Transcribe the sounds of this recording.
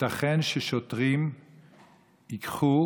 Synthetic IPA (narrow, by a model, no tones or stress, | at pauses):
taχenʃeʃot̪ʁim | ikχu